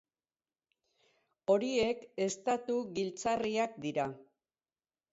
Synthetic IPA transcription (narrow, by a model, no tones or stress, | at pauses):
o̞ɾie̞ke̞st̪at̪uɣilt͡sariakd̪iɾa